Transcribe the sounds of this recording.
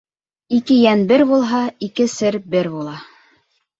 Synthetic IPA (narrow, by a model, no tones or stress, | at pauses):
ikɘjænbɘɾbulˠɦɑikɘsɘɾbɘɾbulˠɑ